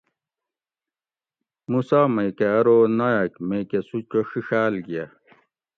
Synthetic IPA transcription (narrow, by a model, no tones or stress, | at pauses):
musamejkeɐɾonajakmekesut͡ɕoɕiɕaːlɡija